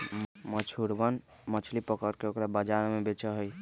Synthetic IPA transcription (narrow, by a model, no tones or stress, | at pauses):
mət͡ʃʰuɾbən | mət͡ʃʰlipəkəɾkeokɾabəd͡ʒaɾmebet͡ʃəɦəj